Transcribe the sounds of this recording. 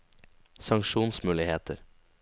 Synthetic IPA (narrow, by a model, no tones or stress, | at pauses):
sɑŋkʃuːnsmʉːlɪheːt̪ʰə̰ɾ